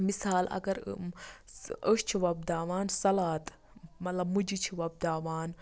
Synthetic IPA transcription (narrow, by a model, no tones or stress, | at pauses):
misaːlɐ̰ɡɐɾ | əʃt͡ʃʰiʋɐb̚d̪aːʋaːnsɐlaːt̪ | mɐt̪lɐbmud͡ʒit͡ʃʰiʋɐb̚d̪aːʋaːn